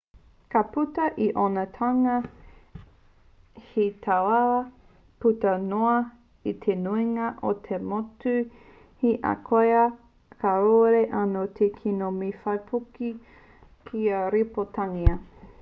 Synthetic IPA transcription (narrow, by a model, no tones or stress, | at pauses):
kɐputɐʔiʔonɐt̪ʰaŋɐ | hit̪ʰawa | putɐnoɐ | it̪ʰenuiŋɐʔot̪ʰemotu | hiʔɐ̰kʰojɐ | kʰaɾoɾeʔanot̪ʰekʰinomifɐjpʰuki | kʰiɐɾipot̪aŋiɐ